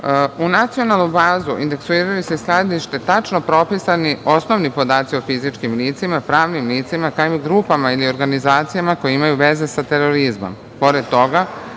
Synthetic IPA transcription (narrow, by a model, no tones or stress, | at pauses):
unat̪sio̞nalˠnubaːzuʔḭnd̪e̞ksuiːɾajuse̞sklad̪iʃt̪e̞t̪at͡ʃno̞pɾo̞pisanio̞sno̞ʋnipo̞d̪aːt̪sio̞fizit͡ʃkimliːt̪simapɾaːʋnimliːt̪simakaimɡɾupamailio̞ɾɡanizaːt̪sijamako̞jeimajuʋe̞ze̞sat̪e̞ɾo̞ɾizmo̰m | po̞ɾed̪̚t̪o̞ɡa